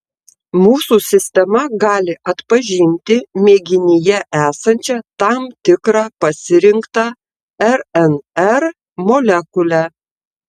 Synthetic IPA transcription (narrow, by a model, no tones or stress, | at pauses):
muːsuːˑsʲɪsʲt̪ʲɛmɐɡɑːlʲɪʔɐt̪pɐʒʲɪnʲt̪ʲɪmʲeːɡʲɪnʲɪjɛʔæːsɐnʲt͡ʃʲɛt̪ɑmt̪ʲɪkɾɑːpɐsʲɪɾʲɪŋkt̪ɑ | ɛɾɛnɛɾ | moːlʲɛkʊlʲæ